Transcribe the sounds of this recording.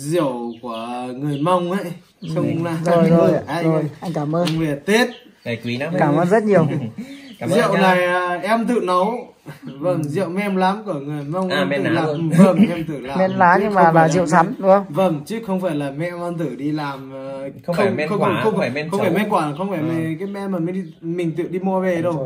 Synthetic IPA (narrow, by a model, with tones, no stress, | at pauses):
zḭ˧˨əwku˧˩əŋɨ˨˩əjma˧wŋ͡mʔə̰˧˥j | xə˧wŋ͡mla˧˩zo˨˩jzo˨˩˧zo˨˩jʔa˧jŋ̟kaː˧˩mʔəː˧ve˨˩t̪i˦˥t̚ | kwi˨˦˨kaː˧˩mʔəː˧nzə˦˥t̚ɲi˨˩əw | zḭ˧˨ə˨wna˨˩jʔɛ˧mt̪ɨ̰˧˨nɔ˨˦w | və˧˩nzḭ˧˨ə˨wmɛ˧mlaː˨˦mku˧˩əŋɨ˨˩əjma˧wŋʔa˧nɨ˧˩laː˨˩m˨və˧˩ɛ˧mt̪ɨ˧˩laː˨mɛ̰˧˨˥nlaː˨˦ɲɨ˧ŋmaː˧˨˩laː˨˩zḭ˧˨wsa˨˦mɗu˨˦xə˧wŋ͡mvə˧˩ŋt͡ɕi˦˥k̚xə˧wŋ͡mfaː˧˩jlaː˨˩mɛ̰˧˨ma˧nt̪ɨ˧˩ɗi˧laː˨˩m˨˧xə˧˨ŋ͡mxə˧wxə˧wŋ͡mxə˧wfaː˧˩mɛ˧˦kwaː˧˩a˨˩xə˧wŋ͡mfaː˧˩jmɛ˨˩kaː˨˦jmɛ˧˥maː˨˩mi˨˧˦ɗi˧mï˨˩ŋ̟t̪ɨ̰˧˨ɗi˧mo˧ve˨˩ɗə˧˩